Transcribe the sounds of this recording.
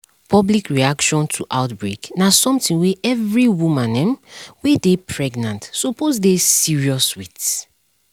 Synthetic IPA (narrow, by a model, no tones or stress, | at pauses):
pʰɔblikɹiakʃɔ̃ntʰuʔaʊtbɹeknasɔ̃mtĩŋweʔɛvɹiwumãnɛ̃mwedepʰɹɛɡnãntsopʰozdesiɹiɔswit